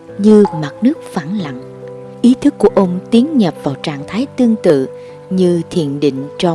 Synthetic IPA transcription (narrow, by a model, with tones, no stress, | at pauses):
ɲɨ˧ma˨˩t̚nɨ˦˥ək̚faː˧˩nla̰˧˨ŋ | ʔi˨˦t̪ʰɨ˦˥k̚ːu˧˩əʔə˧wŋ͡mt̪i˨˦əŋɲə˨˩p̚vaː˨˩wt͡ɕaː˧˨ŋt̪ʰaː˨˦jt̪ɨ˧əŋt̪ɨ̰˧˨ | ɲɨ˧t̪ʰḭ˧˨ənɗḭ˧˨ŋ̟t͡ɕɔ˧